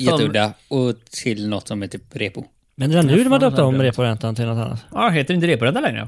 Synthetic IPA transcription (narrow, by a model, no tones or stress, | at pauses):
jɛt̪ːəɵd̪aɔt̪ʰɪlnɔt̪ːsɔmhɛːt̪ʰyːpɾeːpʊ | mɛnd̪ɛɾanʉʉːd̪mhand̪øːpt̪aɔmːɾeːpʊɾɛnt̪ant̪ʰɪlnɔt̪a̰nːa̰t̪ɑɦeːt̪əɾɪnt̪əɾeːpʊɾɛnd̪əlɛŋɾə̰ə̰